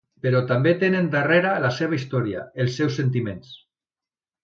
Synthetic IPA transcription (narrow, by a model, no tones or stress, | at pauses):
peɾɔt̪ambet̪enend̪areɾalaseβ̞aist̪ɔɾia̰elˠsːɛwsent̪̬imens